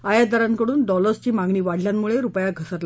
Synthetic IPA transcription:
ajad̪aɾaŋkəɽuːnɖɔləɾst͡ɕiːmaŋɡɳiːʋaɽ̤ljanːuɭeɾupjaɡʱəsət̪la

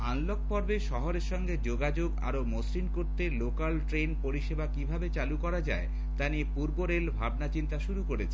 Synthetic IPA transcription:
anlok̚pɔɾbeʃɔɦoɾeɾʃɔŋɡed͡ʑoɡad͡ʑoɡa̰ɾomosɾinkoɾt̪elokalʈɾenpoɾiʃebakibʱabet͡ɕalukɔɾad͡ʑae | t̪aniepuɾboɾelbʱabnat͡ɕint̪aʃuɾukoɾet͡ɕʰe̥

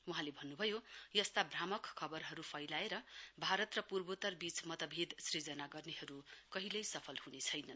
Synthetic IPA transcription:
wuɦãlebʱʌnːubʱʌjojʌst̪abramʌkkʰːʌbʌrɦʌɾupʰʌjlaeɾʌbʱaɾʌt̪rʌpurbot̪ʌrbit͡smʌt̪ʌbʱid̪srid͡zʌnaɡʌrneɦʌɾukʌɦilʌjsʌpʰʌlhunet͡sʰʌjnʌn

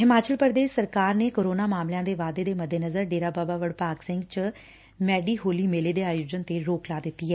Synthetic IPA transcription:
ɦɪmaːt͡ʃəlpəɾd̪eːʃsəɾkaːɾneːkoːɾoːnaːmaːmlɪjãːd̪eːʋaːd̪eːd̪eːməd̪ʱːeːnəzəɾɖeːɾaːbaːbaːʋəɽpaːksɪ̃ŋɡt͡ʃ | mɛːɖiːɦoːliːmeːleːd̪eːaːjoːd͡ʒənt̪eːɾoːklaːd̪ɪt̪ːiːɦɛː

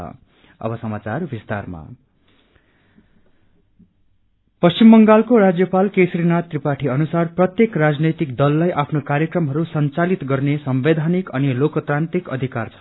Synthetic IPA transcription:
ʌ̰ | ʌ̰bʌsʌmat͡sarbist̪a̰rma̰ | pʌst͡simbʌŋɡalkoɾad͡zjʌpalkesɾinat̪ripaʈʰiʌnusarprʌt̪jekrad͡znʌjt̪ik̚d̪ʌlːajʔapʰnokarjʌkrʌmɦʌɾusʌnt͡salit̪ɡʌrnesʌmbed̪ʱanikʌnilokʌt̪rant̪ikʌ̰d̪ʱikart͡sʰʌ̥

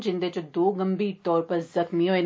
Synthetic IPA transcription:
d͡ʒɪnd̪eːt͡ʃəd̪oːɡəmbiːɾt̪ɔːɾpəɾzəxmiɦoːeːn

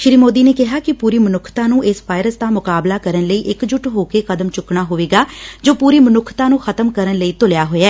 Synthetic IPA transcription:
ʃɪɾiːmoːd̪iːneːkɪɦaːkɪpuːɾiːmənʊkʰt̪ãːnũːʔɪsʋaːɪɾəsd̪aːmʊkaːblaːkəɾənləiːʔɪkd͡ʒʊʈɦoːkeːkəd̪əmt͡ʃʊkɳaːɦoːʋeːɡaːd͡ʒoːpuːɾiːmənʊkʰt̪ãːnũːxʰət̪əmkəɾənləiːt̪ʊljaːɦoːaː

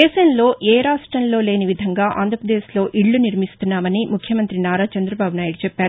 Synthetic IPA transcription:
ɛːʃɐnlo̞ːʔɛːɾaːʂʈɾɐnlo̞ːle̞ːniʋid̪ʱɐŋɡaːʔa̰ːnd̪ʱɾɐpɾɐd̪eːslo̞ːʔiɭːuniɾmist̪unːaːmɐnimukʰjɐmɐnt̪ɾinaːɾaːt͡ʃɐnd̪ɾɐbaːbunaːjiɽut͡ʃɛpːaːɾu

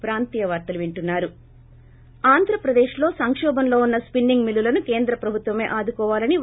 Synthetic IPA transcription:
pɾaːnt̪ijɐʋaːɾt̪ɐluʋiɳʈunːaːɾu | aːnd̪ʱɾɐpɾɐd̪eːʃlo̞ːsɐŋkʂɔːbɐnlo̞ːunːɐspinːiŋɡmilulɐnuke̞ːnd̪ɾɐpɾɐbʱut̪ʋɐme̞ːʔaːd̪ukɔːʋaːlɐni

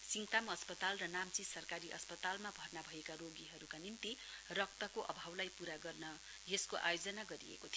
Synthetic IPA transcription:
siŋt̪amʌspʌt̪alrʌnamt͡sisʌrkaɾiʔʌ̰spʌt̪almabʱʌrnabʱʌekaɾoɡiɦʌɾukanimt̪i | rʌk̚t̪ʌkoʔʌbʱawlajpuɾaɡʌrnʌ | jeskoʔa̰jod͡zʌnaɡʌɾiḛkot̪ʰij

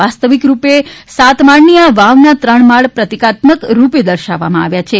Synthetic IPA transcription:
ast̪əʋikɾupesat̪maɳniaʋaʋnat̪ɾəɳmaɭpɾət̪ikat̪məkɾuped̪əɾʃaʋːa̰mãa̰ʋjat͡ʃʰe

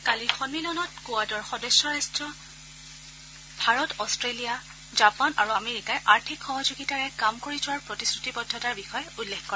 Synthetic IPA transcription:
kalixɔnmilɔnɔtkowadɔɹxɔdɔsɔɹastɹɔ | bʱaɹɔtɔstɹelija | zapanʔaɹuameɹikajʔaɹtʰikxɔɦɔzoɡitaɹɛkamkoɹitʰʊaɹpɹɔtisɹutipɔdʱːɔtaɹbixɔjɔulːexkɔɛ

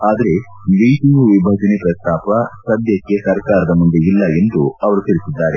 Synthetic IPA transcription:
aːd̪ɐɾe̞ | ʋejʈ̪iɡuʋibʱɐːd͡ʒɐnipɾɐst̪aːpɐsɐd̪ʱjɐkːe̞sɐɾkaːɾɐd̪ɐmund̪eilːɐe̞nd̪uɐʋɐɾut̪iɾisid̪ːaːɾe

